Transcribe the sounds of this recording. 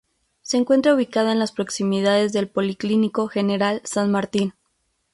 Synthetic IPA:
se̞ːŋkwe̞nt̪ɾauβ̞ikaðoenlaspɾo̞ksimiðaðe̞zðe̞lpo̞likliniko̞xe̞ne̞ɾalsanmaɾt̪in

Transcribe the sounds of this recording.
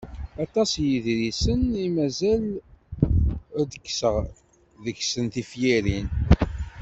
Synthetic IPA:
ɑt̪ˤɑsjiðɾisənimæzæl | æd̪əkːsəʁ | ðəkːsənθifjiɾin

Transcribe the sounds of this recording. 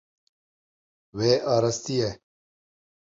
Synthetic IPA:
weːʔaːɾɐst̪ije

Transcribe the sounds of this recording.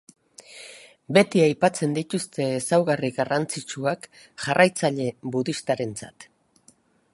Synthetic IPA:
be̞t̪iajpat͡se̞nd̪it̪ust̪e̞ːsawɣariɣarant͡sit͡ʃuak | ʝarajt͡saʎe̞βuðist̪aɾe̞nt͡sa̰t̪

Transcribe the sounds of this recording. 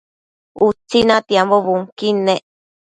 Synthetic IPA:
ut͡sːinãt̪iamboβuŋkinẽʔ

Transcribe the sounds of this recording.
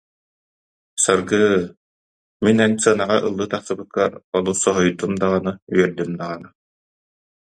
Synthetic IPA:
sɯɾɡɯ | minɛnsɯɐnaʁaʔɯlˠːɯt̪aχsɯbɯkːaɾɔlˠusɔɦɔjt̪umd̪aʁanɯɥiɛɾd̪ymd̪aʁanɯ

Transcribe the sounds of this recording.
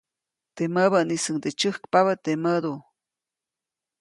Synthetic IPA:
t̪eməβənisəŋd̪et͡ʃəhkpaβət̪eməd̪u

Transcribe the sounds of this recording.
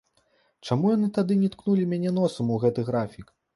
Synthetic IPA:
t͡ʂamujanɨt̪ad̪ɨnʲɛt̪knulʲimʲanʲɛnɔsɐmuɣɛt̪ɨɣɾafʲik

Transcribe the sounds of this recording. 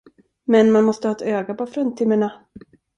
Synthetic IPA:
mɛnmanmɔst̪əhɑːɛt̪øːɡabɔfɾɔnt̪ʰɪməɳa

